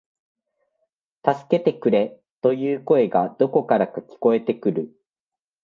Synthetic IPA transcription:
t̪asɨ̥ke̞t̪e̞kɯ̟ɾe̞ | t̪o̞jɯːko̞e̞ɡad̪o̞ko̞kaɾakakʲi̥ko̞e̞t̪e̞kɯ̟ɾɯ̟

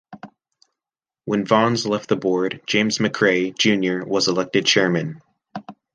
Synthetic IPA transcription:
wə̃nvɑ̃nzlɛft̪̚ðəbɔɹd̚d͡ʒ̥ẽɪ̃mzmɨkʰɹ̥eɪd͡ʒʉ̃njə˞wʌzəlɛk̚tɨd̚t͡ʃʰɛɹmɨ̃n

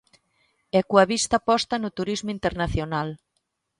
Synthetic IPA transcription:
ɛkuɐβist̪apɔst̪ɐnut̪uɾizmint̪eɾnaθjonal

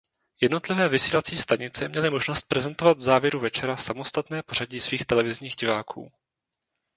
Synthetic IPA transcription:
jɛdno̞t̪lɪvɛːvɪsiːlat͡siːst̪aɲɪt͡sɛmɲɛlɪmo̞ʒno̞st̪̚pɾɛzɛnt̪o̞vad̪vzaːvjɛɾuvɛt͡ʃɛɾasamo̞st̪at̪nɛːpo̞ɾ̥aɟiːsviːxt̪ɛlɛvɪzɲiːɣɟɪvaːkʰṵː

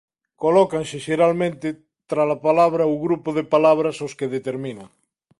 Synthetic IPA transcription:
kolɔkaŋseʃeɾalmẽnt̪e | t̪ɾalapalaβɾauɣɾupoðepalaβ̞ɾasoskeðet̪eɾminaŋ

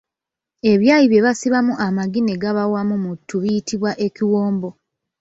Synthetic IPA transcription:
e̞βjaːjiβje̞βasiβamuʔamaɡineɡaβawamumutʰːuβiitʰiβwaʔe̞ciwoːmbo̞

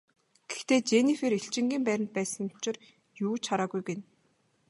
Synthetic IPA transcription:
ɡ̥ext̪eːt͡ɕenifeɾeɬt͡ɕɪ̆ŋɡʲiːmpæɾʲɪ̆nt̪̚pæːsə̆ŋʊ̥t͡ɕɪ̆r | juːt͡ɕʰaɾaːɣujɡen

